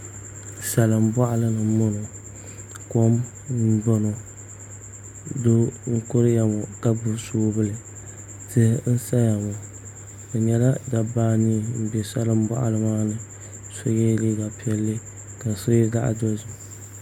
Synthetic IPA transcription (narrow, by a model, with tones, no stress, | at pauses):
sa˨lɨ˨m˦ba˦ʔa˦lɨ˦nɨ˨˦mo˦nɔ˨ | ko˦m̩˦ | bo˦no˨ | do˦ŋ̩˦kʊ˦ɾɨ˦ja˨mɔ˨ka˦bʊ˦soː˦bɨ˦˨lɨ˨ | tɨ˦hn̩˦sa˦ja˨mɔ˨ | ka˨ɲɛ˦la˦da˨baː˦ni˦˨m̩˦bɛ˨sa˦lɨ˦m˦ba̰˦ʔa̰˨lɨ˦maː˦nɨ˨ | so˦jɛ˦liː˦ɡa˨pi˦ɛ˨lːɨ˦ | ka˨sʊ˦i˦ɡa˦ʔa̰˨dɔ˦zʊ˨